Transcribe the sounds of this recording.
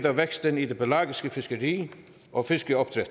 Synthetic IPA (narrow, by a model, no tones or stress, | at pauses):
d̪ɑʋɛɡ̥st̪əniːd̪ebəlɑːɡɪskəfɪskəɾiː | ʔɔːfɪskəɔp̚t̪ʰɾɛ